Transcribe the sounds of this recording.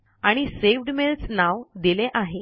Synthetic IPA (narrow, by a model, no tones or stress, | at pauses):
aɽ̃iseʋ̤ɖmelsnaʋd̪ileʔaɦe